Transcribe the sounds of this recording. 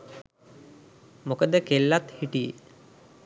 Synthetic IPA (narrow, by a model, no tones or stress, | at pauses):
mokəd̪əkelːat̪hiʈijḛ